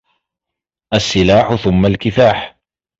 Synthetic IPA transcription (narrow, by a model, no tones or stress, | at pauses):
ʔasːɪlaːħʊθʊmːalkɪθaːħ